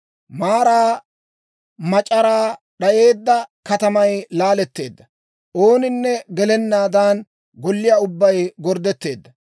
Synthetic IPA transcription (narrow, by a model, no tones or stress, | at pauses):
maːɾaː | mɐt͡ʃʼɐɾaː | ɗɐʔe̞ːd̪ːɐkɐt̪ɐmɐjlaːlɛt̪ːe̞ːd̪ːɐ | ʔo̞ːnɪnːɛɡɛlɛnːaːd̪aːn | ɡɔlːɪjaːʊbːɐjɡɔɾd̪ɛt̪ːe̞ːd̪ːɐ